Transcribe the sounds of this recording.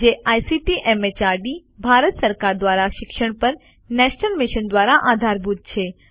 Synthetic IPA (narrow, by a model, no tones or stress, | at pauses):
d͡ʒeʔajsiʈiʔɛmet͡ʃaɾɖi | bʱaɾət̪səɾkaɾd̪ʋaɾaʃɪkʃəɽ̃pəɾ | nɛʃnəlmɪʃənd̪ʋaɾaʔad̪ʱaɾbʱud̪̚t͡ʃʰe